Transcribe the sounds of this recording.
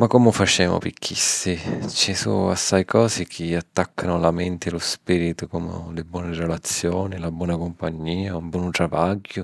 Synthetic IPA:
makːomʊfat͡ʃɛːmʊ̰pikʰːisit͡ʃisṵasːajkʰɔːzɪkʰɪat̪ːakʰːanʊlamɛnt̪ɪlʊspiːɾit̪ʊkɔmʊ̰lɪbwɔːnɪɾelat̪sːjɔːnilabwɔːnakompaɲːiːaumbwɔːnt̪ɾavaɡːʊ

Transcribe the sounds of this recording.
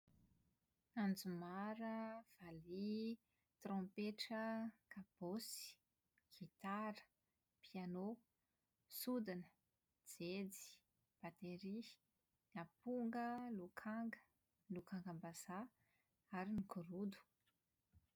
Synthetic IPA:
and͡zumaɾəv̥ali | t̪rõmpeʈ͡ʂəkab̥osi̥ | ɡ̥it̪aɾə̥ | piano | sud̪anə | d͡zed͡zi̥ | b̥at̪eɾi | napuŋɡəlukʰaŋɡə̥ | lukaŋɡambaza | aɾinikʰuɾud̪u̥

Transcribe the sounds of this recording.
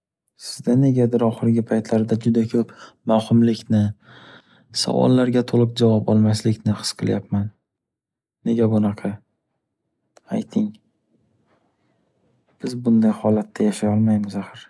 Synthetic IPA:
sɪzd̪ane̞ɡʲad̪ɪɾɒχɨɾɪɡʲɪpʰajt̪ʰlaɾd̪ad͡ʒʊd̪akʲʰɵpmawhʊmlɪkʲnɪ | sa̰vɒ̰lˠːaɾɡʲat̪ʰolˠɨq̚d͡ʒavɒpɒlˠmaslɪkʲnɪχɨ̥sqʰɨlˠjapman | e̞ɡʲabʊnɑqʰɑ | ajt̪ʰɪŋ | b̥ɪzbʊnd̪ajhɒlat̪ʰːajaʃajɒlˠmajmɪzaχɨɾ

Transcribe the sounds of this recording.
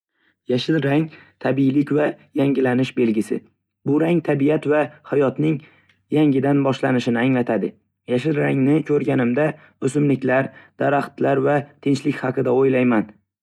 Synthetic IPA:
jaʃɪlɾaŋt̪ʰabilɪkʲvajaŋɡʲɪlanɪʃbe̞lɡʲɪsɪ̰ | bʊɾaŋt̪ʰabijat̪vahajɒt̪nɪŋ | jaŋɡʲɪd̪anbɒʃlanɪʃɪnɪaŋlat̪ʰad̪ɪ | jaʃɪlɾaŋnɪkʲʰɵɾɡʲanɪmd̪a | ɵsɪmlɪkʲlaɾd̪̥aɾaχt̪laɾvat̪ʰɪnt͡ʃlɪkʲhɑqʰɨd̪aojlajman

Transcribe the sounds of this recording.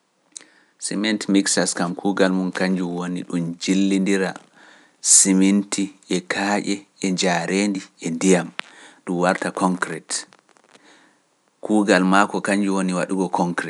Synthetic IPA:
simɛntmiksaskamkʰuːɡalmunkaɲd͡ʒuwonḭɗumd͡ʒilːindiɾa | simintiɛkʰaːʔɛɛd͡ʒaɾeːndiɛndijamɗumwaɾtakɔŋkɾɛt | kuːɡalmakɔkaɲd͡ʒuwoniwaɗuɡɔkʰɔŋkɾɛ

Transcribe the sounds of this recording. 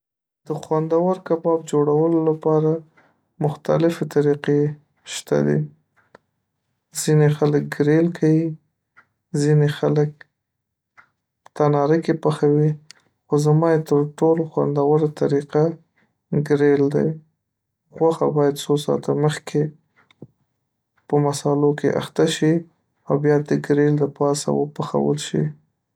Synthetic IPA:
d̪̥əxwand̪awəɾkabɑb̚d͡ʒoɽawəlolapɑɾa | mʊxt̪a̰lɪfet̪aɾiqe | ʃt̪a̰d̪ḭ | z̥inexalək̚ɡɾelkʰawi | zinexalək̚ | pə̥t̪anɑɾəkepaxawi | xozamɑjet̪əɾʈoloxwa̰nd̪awəɾat̪aɾiqa | ɡɾeld̪a̰j | ɣwaxabɑjad̪sosɑ̰t̪ʰaməxkʰe | pəmasɑlokʰeʔa̰xt̪aʃi | awbjɑd̪əɡɾeld̪əpɑsa̰wəpaxa̰wə̰lʃḭ

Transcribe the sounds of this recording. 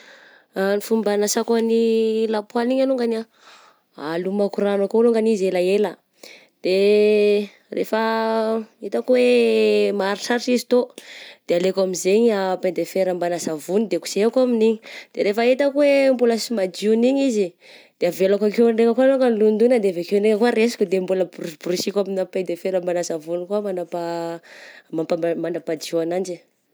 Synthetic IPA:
nifumbanasakanilapwaliɲaluŋɡana | a̰lumakuɾanakoluŋɡanizelaelə | d̪̥e | rʔḛfə | et̪akuwemaɾiʈ͡ʂaɾiʈ͡ʂizi̥t̪od̪̥ealekamizeɲapend̪efeɾambanasavunid̪eku̥z̥eakaminiɲid̪̥eɾefəet̪akwembuləsimad͡ʒuniɲizi | d̪̥eavelakakewɳɖ͡ʐekakwanokanilund̪unəd̪eavekewɳɖ͡ʐeŋakwaresḁkʲud̪embuləbuɾibuɾisikʲaminaped̪efeɾambanasavunikuamanapa | mapaamanapad͡ʒuanand͡ʒi

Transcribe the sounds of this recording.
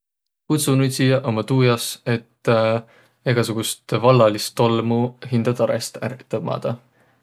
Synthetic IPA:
kut̪sunud̪ʲsijɑʔomɑt̪uːjɑse̞t̪ː | eɡ̥ɑsuɡ̥ust̪vɑlːɑlist̪olmuhind̪̥ɑt̪ɑɾḛst̪æ̰ɾt̪ːˑɑb̚mɑ̰ːd̪̥ɑ

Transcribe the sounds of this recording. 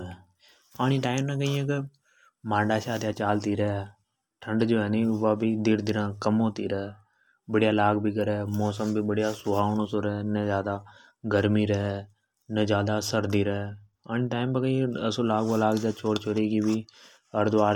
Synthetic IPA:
aːñiːʈaːɪmnãːkəiːẽːkɪ | mãːɳɖaːʃaːt̪jaːt͡ʃaːlt̪iːɾɛɛ | ʈʰəɳɖd͡ʒoːɛːneːʋaːbiːd̪ɪɾd̪ɪɾãːkəmõːt̪iːɾɛɛː | bəɽijaːlaːɡbiːkəɾɛːmɔːsəmbʱiːbəɽijaːsʊɦaːonoːsoːɾɛːnɛːzjaːd̪aː | ɡəɾmiːɾəɦ | nəːd͡ʒjaːd̪aːsəɾd̪iːɾɛɛ | aːñiːʈaːɪmbãkəiẽəsõːlaːɡʋəlaːɡd͡ʒaːt͡ʃʰoːɾt͡ʃʰoːɾeːkibiː | əɾd̪ʊʋaːɾ

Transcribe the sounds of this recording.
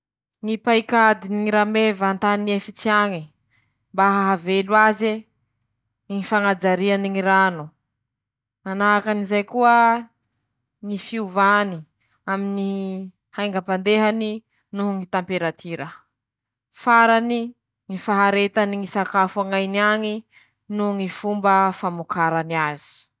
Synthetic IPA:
ŋipaikad̪iniŋiɾamevant̪aniefit͡siaŋi | mbaɦaɦaveluaze | ŋifaŋad͡zaɾianiŋiɾanu | manaakanizajkuə | ŋifiuvani | amini | hajŋɡapand̪eɦani | nuŋit̪ampeɾat̪iɾə | faɾani | ŋifaɦaɾet̪aniŋisakafuaŋajniaŋi | nuŋifumbəfamukaɾaniazi̥

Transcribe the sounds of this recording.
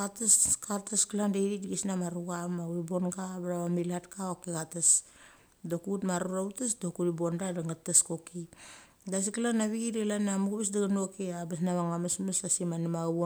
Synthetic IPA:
kateskataskilandaiɾidiɡesnamaɾuɡamauibo̞nɡaβeɾaβamilatkaokeɣatas | dokutmaɾuɾautesdokuɾibondadaŋɡatːaskoki | das̬ikilanaβiɡidelanamuɡuβes̬daɡanokeabes̬naβaŋamesmesasimanimaβo

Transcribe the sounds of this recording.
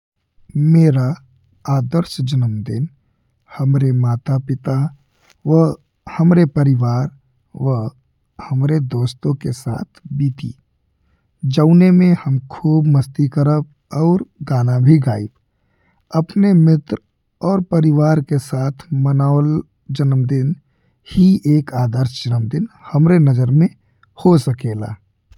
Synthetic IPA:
meːɾa | aːd̪əɾsd͡ʒənəmd̪ɪn | həmɾemaːt̪apɪt̪a | ʋə | həmɾepəɾɪʋaːɾ | ʋəɦ | həmɾed̪oːst̪õkesa̰ːt̪ʰbiːt̪ḭ | d͡ʒəʊnemẽhəmkʰuːbməst̪ikəɾəb̚ | ɔːɾɡaːnabʱiɡaːɪb | əpnemɪt̪ɾ | ɔːɾpəɾɪʋaːɾkesaːt̪ʰmənaːʋəl | d͡ʒənəmd̪ɪn | hiʔeːkaːd̪əɾʃd͡ʒənəmd̪ɪnhəmɾenəzəɾmẽ | hosəkeːla̰ː

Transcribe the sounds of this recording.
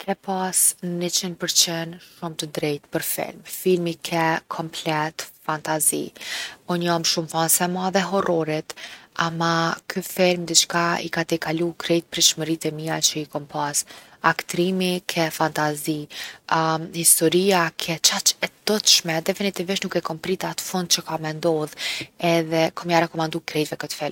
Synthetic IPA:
kʰɛpasnːit͡ʃinpəɾt͡ʃɛnʃumt̪əd̪ɾɛjt̪pəɾfḭlmfilmikʰɛkʰɔmplɛt̪fant̪azḭunjamʃumfansɛmɔðɛɦɔrɔɾit̪amakʰyfilmd̪it͡ʃkaḭkat̪ɛkalukʰɾɛjt̪̚pɾiʃməɾit̪ɛmiat͡ʃəikɔmpasakt̪ɾimikʰɛfant̪azi | hist̪ɔɾiakʰɛt͡ʃat͡ʃɛd̪̥ɔt̪ʃmɛd̪ɛfinit̪iviʃnukɛkɔmpɾit̪at̪ə̥fund̪̚t͡ʃəkamɛnd̪ɔðɛðɛkɔmjaɾɛkɔmand̪ukɾɛjt̪vɛkət̪ə̥fɛlm

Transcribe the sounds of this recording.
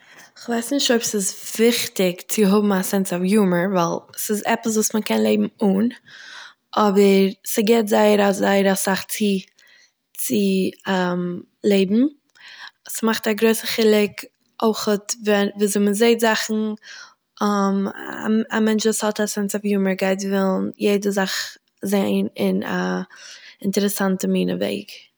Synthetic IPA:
ɪχvaɪsnɪʃtoɪpsɪsvɪχtɪkt͡sɪɦʊbm̩asɛnt͡sɔfjuːməɹvalˠsɪzɛpəs̬vuːsməkɛnlˠeɪbm̩uːn | ʔɔbəɾsɪɡɛtzaɪəɾazaɪəɾasaχt͡sɪ | t͡sɪ | m | lˠeɪbm̩ | smaχtaɡɾoɪsəχɪlˠɪk | ʔoɪχətvɛnviːzɪməzeɪtzaχn̩ | m̰ | a̰mɛnt͡ʃvuːshɔtasɛnsɔfjuːməɾɡaɪt̬vɪlˠnjeɪdəzaχ | zeɪnɪna̰ | ɪntəɾɛsantəmiːnə̰vḛɪɡ

